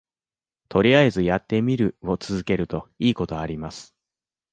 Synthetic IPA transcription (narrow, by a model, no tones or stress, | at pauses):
t̪ʰo̞ɾʲiaezɨjat̪ːe̞mʲiɾɯ̟o̞t͡sɨzɨke̞ɾɯ̟t̪o̞iːko̞t̪o̞aɾʲimasɨ̥